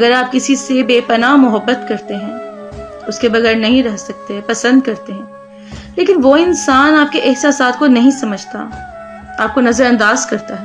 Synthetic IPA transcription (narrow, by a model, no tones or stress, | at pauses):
ɐɡəɾaːp̚kɪsisebeːpɐnamʊɦəbːət̪kɐɾt̪eɦɛ̃ː | ʊskebɐɣɛːɾnɐɦĩɾɛɦsɐk̚t̪eɦɛ̃pɐsə̃nd̪̚kɐɾt̪eɦɛ̃ː | leːkɪnʋoɪnsaːnaːp̚keʔɪɦsasaːt̪ʰkonɐɦĩsɐməd͡ʒʱt̪a̰ | aːp̚konɐzəɾɐ̃nd̪aːzkɐɾt̪aɦɛː